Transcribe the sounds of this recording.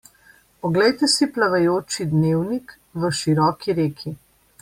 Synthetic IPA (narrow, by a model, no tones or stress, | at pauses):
pɔɡlɛjt̪ɛsiplaʋɛjoːt͡ʃid̪neːwnik | ʋəʃiɾɔːkiɾeːkʰi